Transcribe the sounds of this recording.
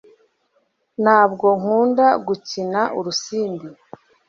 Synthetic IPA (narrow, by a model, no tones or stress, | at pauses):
n̥haːb̚ɡo̞ŋ̥uːndaɡucinaʔuɾusiːndi